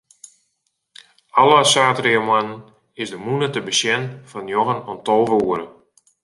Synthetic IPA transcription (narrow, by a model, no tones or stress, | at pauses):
ɔlˠəsaːtriəmanən | ɪsdəmunətəbəsjɛnfɔnjoɣənɔntɔlˠʋuəɾə